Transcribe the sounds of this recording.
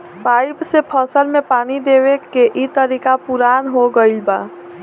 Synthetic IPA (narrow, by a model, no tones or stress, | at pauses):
paːɪpsepʰəsəlmẽpaːnid̪eːwekeʔit̪əɾiːkapuɾaːnɦoɡəilba̰ː